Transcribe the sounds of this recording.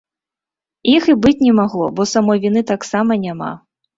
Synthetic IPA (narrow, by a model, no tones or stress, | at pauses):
ixibɨt͡sʲnʲɛmaɣlˠɔ̰bɔsamɔjvʲinɨt̪aksamɐnʲama̰